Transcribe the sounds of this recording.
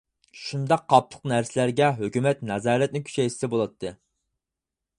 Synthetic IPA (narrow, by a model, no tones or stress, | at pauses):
ʃund̪ɑqʰːɑp̚lˠə̥qnæɾsɪlæɾɡʲɛɦøkʲymɛt̪nɑzɑːɾɛt̪̚nɪkʲʰy̥t͡ʃɛjʃɪ̥sɛbolˠɑt̪ʰːɨ